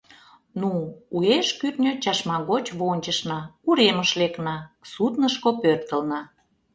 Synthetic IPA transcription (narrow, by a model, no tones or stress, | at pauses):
nuueʃkyt̪nʲøt͡ɕɑʃmɑɣot͡ɕβonʲt͡ɕəʃnɑkuɾeməʃleknɑsut̪nəʃkopørt̪əlnɑ